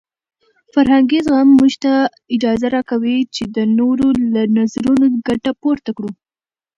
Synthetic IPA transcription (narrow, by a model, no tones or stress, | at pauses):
faɾɦaŋɡizɣamːuʒt̪a | ɪd͡ʒɑzaɾɑkawit͡ʃed̪ənoɾolanazɾunoɡaʈapoɾt̪akɽu